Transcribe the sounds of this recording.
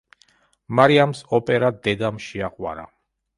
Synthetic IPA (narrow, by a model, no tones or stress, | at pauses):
maɾiamsɔpʼɛɾad̪ɛd̪amʃiaqʼwa̰ɾa